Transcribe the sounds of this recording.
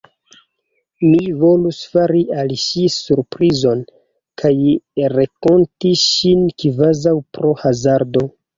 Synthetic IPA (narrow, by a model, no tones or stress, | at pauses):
mivo̞lusfaɾiʔalʃisuɾpɾizo̞n | kʰajɾeko̞ntiʃinkvazawpɾo̞hazaɾdo̞